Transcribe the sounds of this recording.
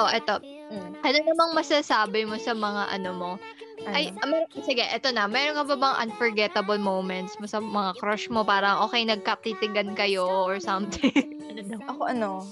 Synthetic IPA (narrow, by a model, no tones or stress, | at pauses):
ʔoʔɛt̪o̞ | ʔɐnonɐmɐŋmɐsasaːbɪmo̞sɐmɐŋaʔɐ̰nomo̞ | ʔɐjmɛɾosɪɡɛʔɛt̪o̞nɐmɛːɾonkɐbɐbɐŋʔɐ̰nfɔɹɡɛt̪ɐbɐlmowmɛnt̪smosɐmɐŋakɾoʃmo̞paːɾɐŋʔo̞ːkɛjnɐɡ̚kɐp̚t̪it̪ɪŋɡɐnkɐjo̞ʔɔɹsɐmt̪ɪŋ | ɐnod̪ɐʔɐkoʔɐno